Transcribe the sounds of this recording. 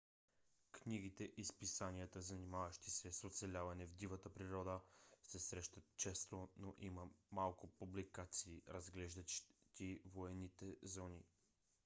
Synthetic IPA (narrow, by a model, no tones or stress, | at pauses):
kniɡ̟it̪ɛʔispisaniət̪əzɐnimavəʃt̪i̥sɛsot̪sɛlʲavɐnɛvd̪ivət̪əpɾiɾɔd̪əsɛsɾɛʃt̪ət̪t͡ʃɛst̪onoʔiməmalˠkʊpublikat̪siːɾɐzɡlɛʒd̪ət̪ivoɛnːit̪ɛzɔni